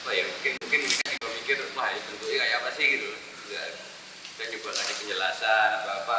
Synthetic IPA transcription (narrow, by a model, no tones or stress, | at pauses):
pajamukɪnmuŋkɪnisikat̪ibamikɪrmaɦajapənt̪uikajakapasɪhɡit̪ul | d͡ʒuɡa̰ | kad͡ʒabulaŋkad͡ʒakəɲd͡ʒəlasanapaːpa